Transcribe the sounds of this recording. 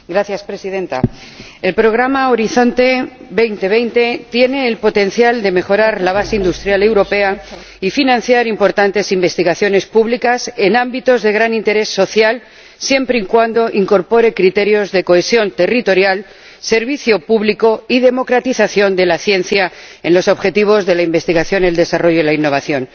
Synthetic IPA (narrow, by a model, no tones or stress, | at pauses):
ɡɾaθjaspɾe̞sið̞e̞nt̪a̰e̞lpɾo̞ɣ̞ɾamao̞ɾiθo̞nt̪e̞be̞jnt̪e̞β̞e̞jnt̪e̞t̪je̞ne̞ːlpo̞t̪e̞n̟θjald̪e̞me̞xo̞ɾaɾlaβ̞aseind̪ust̪ɾjale̞wɾo̞pe̞a | ifinãn̟θjaɾimpo̞ɾt̪ant̪e̞simbe̞st̪iɣaθjo̞ne̞spuβlikase̞nãmbit̪o̞zðe̞ɣ̞ɾanint̪e̞ɾe̞sːo̞θjal | sje̞mpɾeiŋkwand̪o̞ʔiŋko̞ɾpo̞ɾe̞kɾit̪e̞ɾjo̞zðe̞ko̞e̞sjo̞nt̪e̞rit̪o̞ɾjal | se̞ɾβiθjopuβliko̞iðe̞mo̞kɾat̪iθaθjo̞nd̪e̞laθje̞n̟θja | e̞nlo̞so̞βxe̞t̪iβ̞o̞zðe̞laimbe̞st̪iɣaθjo̞neld̪e̞saro̞ʝoilainːo̞βaθjo̞n